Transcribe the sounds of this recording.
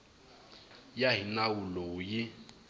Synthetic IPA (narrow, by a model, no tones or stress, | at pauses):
jaɦinawulojɪ